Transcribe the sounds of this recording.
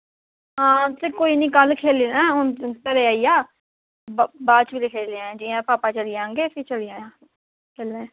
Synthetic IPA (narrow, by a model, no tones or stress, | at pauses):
ɦãːt̪eːkoːiːnĩːkəlkʰeːliːnaːɦʊnt̪əɾeaːiːaː | bbaːt͡ʃbiːlekʰeːleãɛ̃d͡ʒiːãːpaːpaːt͡ʃəliːãːŋɡeːpit͡ʃəliːaːjãː | kʰeːlːɛ̃ː